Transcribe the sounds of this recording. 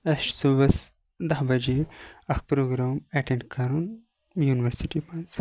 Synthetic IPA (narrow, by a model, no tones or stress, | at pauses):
ɐʃsubɐs | d̪ɐɦbɐd͡ʒeɐxpɾoːɡɾaːmɛʈẽɳɖkʰɐɾun | juːniʋɐɾsiʈimɐnz